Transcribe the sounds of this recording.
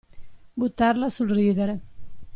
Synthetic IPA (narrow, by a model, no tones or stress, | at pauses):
ɡut̪aɾlasulriðaɾa